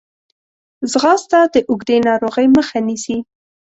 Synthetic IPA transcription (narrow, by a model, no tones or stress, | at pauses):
zɣɑst̪ɑd̪əʔʊɡd̪enɑɾoɣəjməxanisi